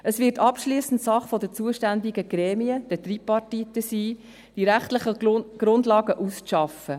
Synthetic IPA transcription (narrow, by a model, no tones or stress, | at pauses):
əsʋɪtɑpʃliːsn̩tsɑχfɔdət͡suəʃtændɪɡəɡ̥ɾɛːmiəd̥ətripːɑrtit̪ːəsiː | d̥iɾæχtləχəɡ̥ɾʊndlɑːɡəʔust͡sʃɑfə